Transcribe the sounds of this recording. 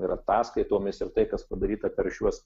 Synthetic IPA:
iːɾɐt̪ɑːskɐɪt̪oːmʲɪsɪɾt̪ɐɪkɐspɐd̪ɐɾʲiːt̪ɐpʲɛɾʃʲuɔs

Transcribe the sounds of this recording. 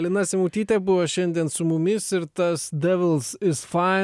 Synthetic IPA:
lʲɪnɑːsʲɪmuːt̪ʲiːt̪ʲɛbʊʋoʃʲɛnʲd̪ʲiɛnsʊmʊmʲɪsɪɾt̪ɐsd̪ʲɛʋʲɪlˠsɪsfɑɪ

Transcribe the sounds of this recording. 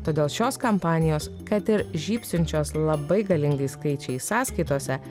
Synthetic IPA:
t̪oːd̪ʲeːlˠʃʲoːskɐmpɑːnʲɪjoːskɐt̪ɪɾʒʲiːpʲsʲʊnʲt͡ʃʲoːslˠɐbɐɪɡɐlʲɪŋɡɐɪskɐɪt͡ʃʲɛɪsɑːskɐɪt̪oːsʲɛ

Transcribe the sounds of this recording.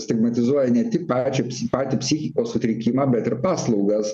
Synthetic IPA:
sʲt̪ʲɪɡmɐt̪ʲɪzuɔjɛnʲɛt̪ʲɪkpɑːt͡ʃʲɛpʲsʲpɑːt̪ʲipʲsʲiːxʲɪkoːssʊt̪ʲɾʲɪkʲiːmɑːbʲɛt̪ɪɾpɑːslˠɒʊɡɐs

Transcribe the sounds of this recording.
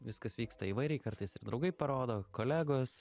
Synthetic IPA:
ʋʲɪskɐsʋʲiːkst̪ɐiːʋɐɪɾʲɛɪkɐɾt̪ɐɪsɪɾd̪ɾɐʊɡɐɪpɐɾoːd̪oːkoːlʲæːɡos

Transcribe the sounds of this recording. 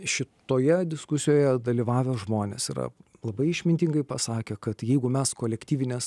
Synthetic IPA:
ʃʲɪt̪oːjɛd̪ʲɪskʊsʲɪjoːjɛd̪ɐlʲiːʋɑːʋʲɛʒmoːnʲḛsḭɾɐ̰ | lˠɐbɐɪɪʃʲmʲɪnʲt̪ʲɪŋɡɐɪpɐsɑːkʲɛkɐt̪jɛɪɡʊmʲɛskoːlʲɛkt̪ʲiːʋʲɪnʲeːs

